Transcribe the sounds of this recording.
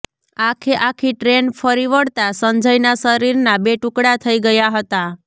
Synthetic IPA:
akʰeʔakʰiʈɾenpʰəɾiʋəɽt̪asənd͡ʒəjnasəɾiɾnabeʈukɽat̪ʰəiɡəjaɦət̪a

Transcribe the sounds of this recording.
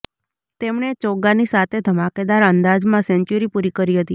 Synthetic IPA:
t̪emɳet͡ʃoɡanisat̪ʰed̪ʱəmaked̪aɾənd̪ad͡ʒmãsɛɲt͡ʃuɾipuɾikəɾiɦət̪i

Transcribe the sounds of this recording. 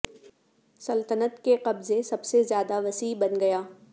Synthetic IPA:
sɐlt̪ənət̪keqɐbzesɐbsezjaːd̪aʋɐsiːbɐnɡɐjaː

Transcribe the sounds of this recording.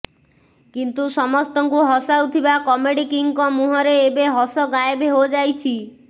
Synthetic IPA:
kint̪usɔmɔst̪ɔŋkuɦɔsawt̪ʰibakɔmeɽikiŋkɔmuɦɔɾeːbeɦɔsɔɡaebeɦod͡ʒajt͡ʃʰi

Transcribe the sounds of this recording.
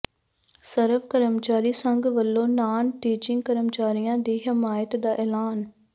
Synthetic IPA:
səɾəʋkəɾəmt͡ʃaːɾiːsəŋɡʋəlːõːnaːnʈiːt͡ʃɪ̃ŋɡkəɾəmt͡ʃaːɾijãːd̪iːɦɪmaːjɪət̪d̪aːʔɛːlaːn

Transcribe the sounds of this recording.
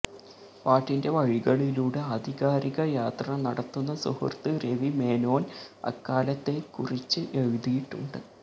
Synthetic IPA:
paːʈːinde̞ʋɐɻiɣɐɭiluːɽeɐd̪ʱiɣaːɾiɣɐjaːt̪rɐnɐɽɐt̪ːunːɐsṵhɐ̰rt̪ɨre̞ʋime̞ːno̞ːnɐ̰kːaːlɐt̪ːe̞kurit͡ɕːɨʔe̞ɻuðijiʈːuɳɖɨ

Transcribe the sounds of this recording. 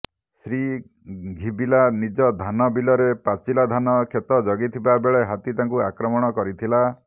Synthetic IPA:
sɾi | ɡʱibilanid͡ʒɔd̪ʱanɔbilɔɾepat͡ʃilad̪ʱanɔkʰjet̪ɔd͡ʒɔɡit̪ʰibabeɭeɦat̪it̪aŋkuakɾɔmɔɽ̃ɔkɔɾit̪ʰila

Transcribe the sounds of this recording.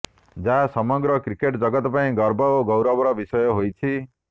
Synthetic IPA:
d͡ʒaɦasɔmɔɡɾɔkɾikeʈd͡ʒɔɡɔt̪ɔpaĩɡɔɾbɔoɡɔwɾɔbɔɾɔbisɔjɔɦojt͡ʃʰi

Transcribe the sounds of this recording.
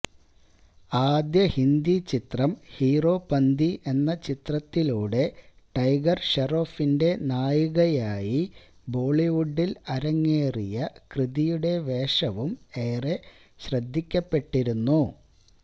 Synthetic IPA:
aːd̪jɐhind̪it͡ɕit̪rɐmhiːro̞ːpɐnd̪iʔe̞nːɐt͡ɕit̪rɐt̪ːiluːɽe̞ | ʈɐjɡɐrɕeroːfinde̞naːjuɣɐjaːji | bo̞ːɭiʋuɖːilɐɾɐŋːeːrijɐkrɨðijuɽe̞ʋe̞ːʂɐʋume̞ːre̞ | ɕrɐd̪ʱːikʲːɐpːe̞ʈːiɾunːu

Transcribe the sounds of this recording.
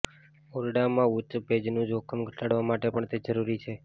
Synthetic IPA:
oɾɖamãutbʱed͡ʒnũd͡ʒokʰəmɡʱəʈaɽʋamaʈepəɳt̪ed͡ʒəɾuɾit͡ʃʰe

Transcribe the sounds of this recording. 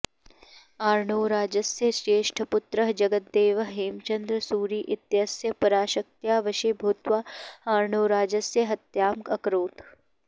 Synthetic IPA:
aːɾɳoːɾaːd͡ʒɐsjəsɾeːʃʈʰɐpʊt̪ɾəɦd͡ʒɐɡət̪̚d̪eːʋɐɦeːmt͡ʃɐnd̪ɾəsuːɾiːʔɪt̪jɐsjɐpɐɾaːʃɐk̚t̪jaːʋɐʃibʱut̪ʋaaːɾɳoːɾaːd͡ʒɐsjɐɦɐt̪jaːmkɐkɾoːt̪

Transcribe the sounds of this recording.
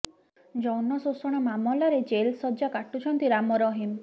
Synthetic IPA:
d͡ʒɔwnɔsosɔɽ̃amamɔlaɾed͡ʒelsɔd͡ʒakaʈut͡ʃʰɔnt̪iɾamɔɾɔɦim

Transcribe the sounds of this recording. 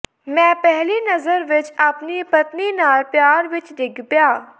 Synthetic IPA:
mɛ̃ːpɛɦlinɐzəɾʋɪt͡ʃaːpnipɐt̪ninaːɾpjaːɾʋɪt͡ʃd̪ɪɡbjaː

